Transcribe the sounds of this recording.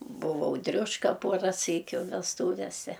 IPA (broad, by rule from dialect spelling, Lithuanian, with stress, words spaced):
bʊˈʋɐʊ ˈdʲrʲʊʃkɐ ˈpuɔrɐ ˈsʲiːkʲʊ ʋʲɛsˈtuːʋʲɛsʲɛ